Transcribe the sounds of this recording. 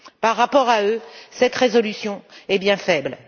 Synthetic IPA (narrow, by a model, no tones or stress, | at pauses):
paʁːapɔʁaøsɛt̪ʁezɔlysjɔ̃ɛbjɛ̃fɛbl